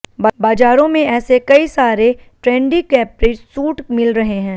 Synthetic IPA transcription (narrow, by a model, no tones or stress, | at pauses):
bbaːd͡ʒaːɾõmẽɛːsekɐisaːɾeʈɾɛ̃ːɳɖikɛːpɾeːʈsuːʈmɪlɾɐɦeɦɛ̃ː